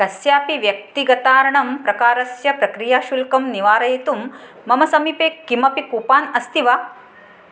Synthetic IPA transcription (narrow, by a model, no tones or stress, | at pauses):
kɐsjaːpiʋjɐk̚t̪iɡɐt̪aːɾɐɳɐmpɾɐkaːɾɐsjɐpɾɐkɾijaːʃulkɐmniʋaːɾɐjit̪umː | ɐmɐsɐmiːpeːkːimɐpikuːpaːnɐst̪iʋa